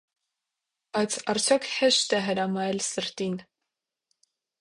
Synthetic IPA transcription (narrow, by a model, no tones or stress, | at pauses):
b̥ɑjt͡sʰɑɾt͡sʰjɔkʰhɛʃt̪ɛɦəɾɑmɑɛlsəɾt̪in